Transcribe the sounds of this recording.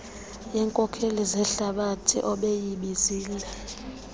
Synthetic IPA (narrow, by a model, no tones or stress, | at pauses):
jɛːŋkʼɔkʰelizɛɬaɓatʰḭʔɔɓejiɓiziːlɛ